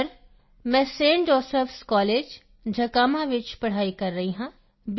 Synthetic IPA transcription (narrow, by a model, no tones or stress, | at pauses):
ɾ | mɛ̃ːsẽːɳɖɔːsəfskɔːleːd͡ʒ | d͡ʒʱɐkaːmaʋɪt͡ʃpɐɽ̤aːikɐɾːɐɦiɦãː | b